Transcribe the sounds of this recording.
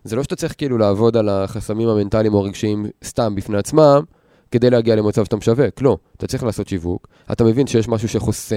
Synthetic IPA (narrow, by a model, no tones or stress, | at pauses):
zelo̞ʃet̪at͡sʁiχkeiilulaːvo̞dalaχasamimhame̞ntalimoʁeɡʃiimst̪ambifne̞at͡smam | ke̞d̪e̞jleaɡiale̞mat͡savʃt̪amʃaveklumat̪at͡sʁiχlaːso̞tʃivuk | a̰t̪ame̞vinʃejeʃmaʃ̬uʃe̞χo̞se